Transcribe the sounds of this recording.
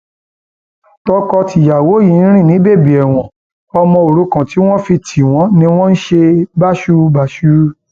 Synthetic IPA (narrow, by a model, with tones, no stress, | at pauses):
tɔ˧kɔ˧ti˨ja˨wo˨˦jĩ˨˦ɾ̃ĩ˦˨nĩ˨˦be˦˨bi˨ɛ˨w̃ɔ̃˨ | ɔ˧mɔ̃˧o˨ɾu˨˦kã˨ti˨˦w̃ɔ̃˦fi˧tʰi˨w̃ɔ̃˨˦nĩ˦w̃ɔ̃˦n̩˦ʃe˧ba˦ʃu˦˧ba˨ʃu˦